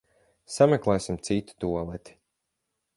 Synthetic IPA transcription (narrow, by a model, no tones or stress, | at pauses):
samʲɛklˠɛjsimt̪sit̪i̥t̪uɔlˠɛt̪i̥